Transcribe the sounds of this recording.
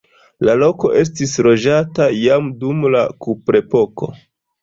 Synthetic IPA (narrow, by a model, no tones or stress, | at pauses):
lalo̞ko̞ʔe̞s̬tisɾo̞d͡ʒatajamdumlakupɾe̞po̞ko̞̰